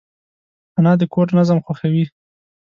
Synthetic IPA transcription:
anɑd̪əkoɾnazamxwaxawi

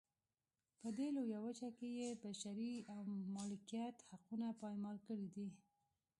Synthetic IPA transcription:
pəd̪elojawət͡ʃakejebaʃaɾiawmɑlɪkijat̪haqunapɑjmɑlkəɽid̪i

